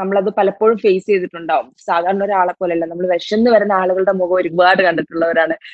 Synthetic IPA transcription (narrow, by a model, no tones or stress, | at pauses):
nɐmːɐɭɐðɨpɐlɐpːoːɻumfejst͡ɕe̞jt̪iʈːuɳɖaːʋumsaːd̪ʱaːɾɐɳɐoɾaːɭɐkːolɐilːɐnɐmːɐɭd̪ɐʂjɐnːɨʋɐɾunːɐaːɭuɣɐɭɽe̞muɣɐoɾuɡbaːɽɨkɐɳɖɐt̪ːuɭːɐʋɐɾaːɳɨ